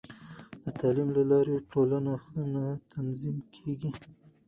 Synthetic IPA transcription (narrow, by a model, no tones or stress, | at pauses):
d̪ət̪ɑlimlalɑɾeʈʰolanaxənat̪ʰanzimkʰeɡi